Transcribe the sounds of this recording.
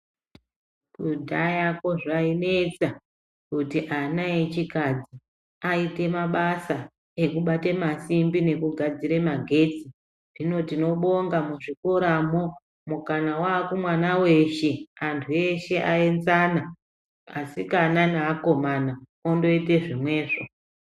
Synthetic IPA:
kudʱajako̞ʐaine̞t͡sa | kutiʔanae̞t͡ʃikad͡zi | aite̞maɓasa | e̞kuɓatemasimbine̞kuɡʱad͡ziɾe̞maɡʱe̞ːt͡si | ʐino̞tino̞ɓo̞ŋɡamuʐikoɾamo | mukanawaːkumwanawe̞ʃe̞antʰue̞ʃe̞ʔaend͡zana | asikananaːko̞mana | ondo̞ite̞ʐimwe̞ːʐo

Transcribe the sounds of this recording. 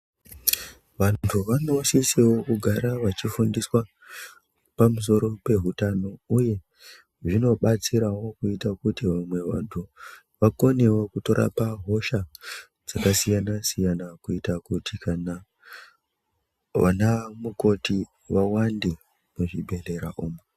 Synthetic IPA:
ʋantʰuʋano̞sisewo̞kuɡʱaɾaʋat͡ʃifundiswa | pamus̬o̞ɾo̞pe̞ɦutano̞uje̞ | ʐino̞ɓat͡siɾawo̞kuitakutiʋamwe̞ʋa̰ntʰu | ʋako̞ne̞wokuto̞ɾʔa̰paɦo̞ʃa | d͡zakasijanasijanakuitakutikana | ʋa̰namuko̞ti | ʋawande | muʐibʱe̞ɮe̞ɾaʔoːme

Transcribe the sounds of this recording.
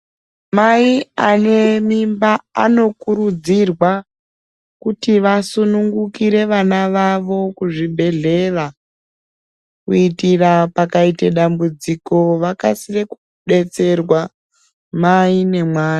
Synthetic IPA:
maiane̞mimbaa̰no̞kuɾud͡zirwa | kutiʋasunuŋɡukiɾe̞ʋanaʋaʋo̞kuʐibʱe̞ɮe̞ra | kuitirapakaiteɗambud͡ziko̞ʋakasireku̥ | ɗe̞t͡se̞rwa | maine̞mwaːni

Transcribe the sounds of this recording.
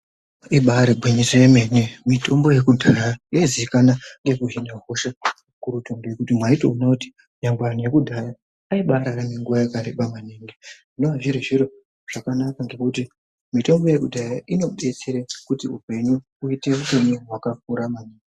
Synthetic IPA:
iɓaɾibʱwiɲisejeme̞nemito̞mbo̞je̞kudʱajaiaiziikanaŋɡe̞kuɦinaɦoʃa | kuɾutoŋbojekutimwaito̰unakuti̥ | ɲamban̤uje̞kudʱajaː | iɓaɾaɾameŋɡuʋajakaɾeɓamaneːŋɡeʐinoaʐiɾiʐiɾo̞ | ʐ̥akanakaŋɡe̞kuti | mito̞mbo̞je̞kudʱajaʔino̞ɓe̞t͡seɾekutiupe̞ɲu | uite̞ʋupe̞ɲuwakak̚uɾamaneːŋɡe

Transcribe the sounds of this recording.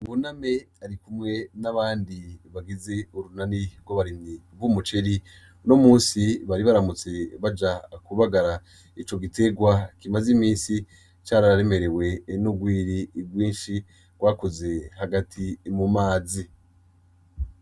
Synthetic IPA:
βuname̞ | aɾikumŋe̞naβaːndiβaɡize̞uɾunaniɡwoβaɾiniβwumut͡ʃe̞ɾi | no̞muːnsiβaɾiβaɾamut͡se̞βad͡ʒakuβaɡaɾa | it͡ʃo̞ɡite̞ɡwakimazimiːnsi | t͡ʃaːɾaɾaɾe̞me̞ɾe̞we̞nuɡwiːɾiɡwiːnʃi | ɡ̥waːkoze̞haɡatʰimumaːzi

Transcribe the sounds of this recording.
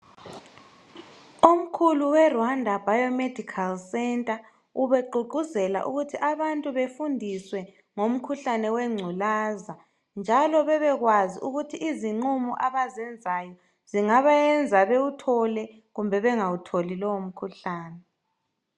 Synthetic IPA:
om̩kʰuluwɛrwandʱabʱajɔmed̥ʱikʰalsɛntʼa | uβeǃuǃʱuzɛla̰ʔuɣutʰiʔaβantʼuβefundʱiswɛ | ŋom̩kʰuɬanɛwɛŋ͡ǀʱulaza | nd͡ʒʱalɔβɛβɛɣwaziʔuɣutʰiʔiziŋ͡ǀumuʔaβazɛnd͡zʱajɔ | z̥iŋaβajɛnd͡zʱaβeutʰɔlɛ | ɣumbʱɛβɛŋawutʰolilɔwom̩kʰuɬaːnɛ

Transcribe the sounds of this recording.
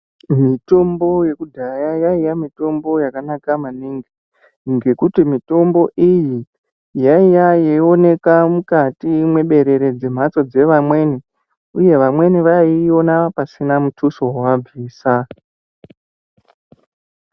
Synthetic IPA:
mito̞mbo̞je̞kudʱajajaijamito̞mbo̞jakanakamaniːŋɡi | ŋɡe̞kutimito̞mbo̞ʔiji | jaijajeio̞ne̞kamukatimwe̞ɓe̞ɾe̞ɾe̞d͡ze̞m̤at͡so̞d͡ze̞ʋamwe̞ne | uje̞ʋamwe̞neʋaio̞napasinamutʰuso̞ɦwab͡viːsa

